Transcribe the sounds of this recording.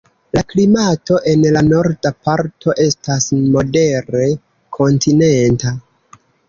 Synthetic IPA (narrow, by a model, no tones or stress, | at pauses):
laklimato̞ʔe̞nlano̞ɾdapaɾtʰo̞ʔe̞stasmo̞de̞ɾe̞ | kʰo̞ntine̞nta